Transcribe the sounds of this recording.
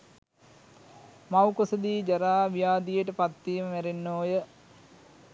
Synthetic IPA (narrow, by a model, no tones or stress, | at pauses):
mawkosəd̪iːd͡ʒɐɾaːʋijaːd̪ijəʈəpat̪ːiːməʋæɾenːoːjə